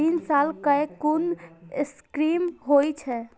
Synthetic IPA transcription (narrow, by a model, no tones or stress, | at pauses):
insalkəkunskɾimɦojt͡ʃʰɛ